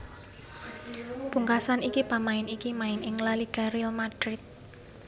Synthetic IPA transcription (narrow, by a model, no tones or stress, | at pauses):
puŋkasanikipamaɪnikimaɪnɪŋlaliɡ̥aɾilmad̥ɾɪt̪̚